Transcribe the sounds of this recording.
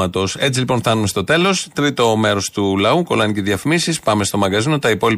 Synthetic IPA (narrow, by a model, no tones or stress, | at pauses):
ɐt̪o̞se̞t͡silipo̞nθɐnumest̪o̞t̪e̞lo̞st̪ɾit̪o̞me̞ɾo̞st̪ulɐuko̞lɐniceðjɐfimisispɐme̞st̪o̞mɐŋɡɐzino̞t̪ɐipo̞li